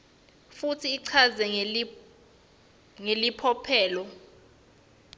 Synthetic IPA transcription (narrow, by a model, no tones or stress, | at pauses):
futʰiːǀʰazɛ | ŋelipʰɔpʰɛːlɔ